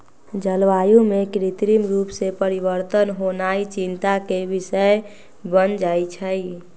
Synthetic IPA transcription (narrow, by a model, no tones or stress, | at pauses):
d͡ʒəlʋajũmekɾit̪ɾimɾupsepəɾibəɾt̪ənɦonait͡ʃint̪akebisəe | bənd͡ʒajt͡ʃʰəj